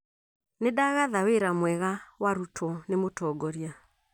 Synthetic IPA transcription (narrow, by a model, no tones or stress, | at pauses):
nedaɣaðaweɾamwɛɣawaɾutʰɔnemotɔːɡɔɾja